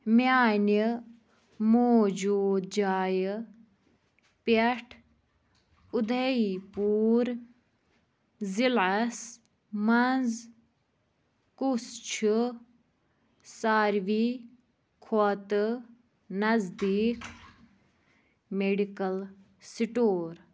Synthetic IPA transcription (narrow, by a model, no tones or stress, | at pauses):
maːni | moːd͡ʒuːd̪̚d͡ʒaːj | pɐʈʰ | ud̪ʱɐipuːɾ | zilɐs | mɐnz | kust͡ʃʰu | saːɾʋi | kʰot̪ɨ | nɐzd̪iːk | meɖikɐl | siʈoːɾ